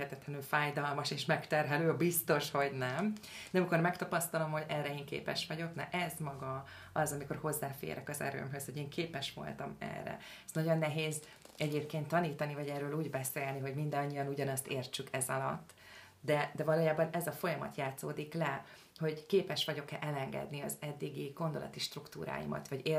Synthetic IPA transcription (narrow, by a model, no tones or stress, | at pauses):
ɛt̪ɛt̪lɛnylfaːjd̪ɒlmɒʃeːʃmɛkt̪ɛrɦɛløːbist̪o̞ʃho̞ɟnɛmnɛmiko̞rmɛkt̪ɒpɒst̪ɒlo̞mho̞ɟɛrːɛeːŋkḛːpɛ̰ʃʋɒɟo̞knɛ̰ʔɛzmɒɡɒ | ɒzɒmiko̞̰rho̞zːaːfḛːɾʔɛkɒzɛ̰ɾø̰ːmɦøsho̞ɟeːŋkʰeːpɛʃʋo̞̰lt̪ɒ̰mɛ̰rːɛ̰ | ɛsnɒɟo̞nːɛɦeːz | ɛɟeːpkeːnt̪ːɒniːt̪ɒnivɒɟɛrːøːluːɟbɛseːlniɦo̞ɟmind̪ɒɲːijɒnuɟɒnɒst̪eːrt͡ʃykʰɛzɒlɒ̰t̪ː | d̪ɛd̪ɛvɒloːjaːbɒnɛzɒfo̞jɒmɒ̰t̪jaːt̪so̰ːd̪iklɛ | ho̞ɟkeːpɛʃʋɒɟo̞kɛʔɛlɛŋɡɛ̰d̪niɒzɛd̪ːiɡiɡ̥o̞nd̪o̞lɒ̰t̪iʃt̪rukt̪ṵːɾa̰ːjḭmɒ̰t̪ʋɒɟe